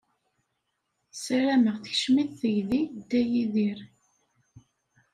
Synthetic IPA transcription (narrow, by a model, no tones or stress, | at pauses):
sæɾæməʁθəçʃmiðθəʝðid̪ːæjiðiɾ